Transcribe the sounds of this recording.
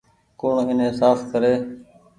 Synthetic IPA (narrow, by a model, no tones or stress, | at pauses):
kuːɳɪnẽːsaːfkəɾeː